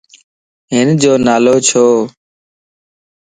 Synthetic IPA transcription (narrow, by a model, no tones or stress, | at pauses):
ɦɪnd͡ʒoːnaːloːt͡ʃʰoː